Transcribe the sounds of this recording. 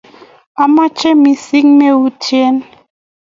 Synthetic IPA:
a˦˨ma˦t͡ʃɛ˦mi˨si˦kme˦u˦te˦n

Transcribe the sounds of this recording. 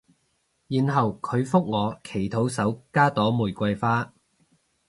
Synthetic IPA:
jiː˨nɦɐ˨wkʰɵ˨˧ɥfʊ˥k̚ŋɔː˨˧kʰe˨˩jt̪ʰo˨˥wsɐ˨˥wkaː˥t̪ɔː˨˥muː˨˩jkʷɐ˧jfaː˥

